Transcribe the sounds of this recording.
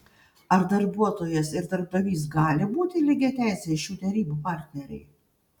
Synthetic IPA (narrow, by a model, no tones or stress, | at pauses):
ɐɾd̪ɐɾbuɔt̪oːjɛsɪɾd̪ɐɾb̚d̪ɐʋʲiːs̬ɡɑːlʲɪbuːt̪ʲɪlʲɪɡʲɛt̪ʲæˑɪsʲeʃuːt̪ʲɛɾʲiːbuːpɑːˑɾʲt̪ʲnʲɛɾʲɛ̰ɪ